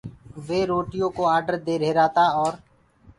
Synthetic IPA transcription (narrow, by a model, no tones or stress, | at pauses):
ʋeːɾoːʈɪjõːkoːaːɾɖəɾd̪eːɾeːɾaːt̪aːɔːɾ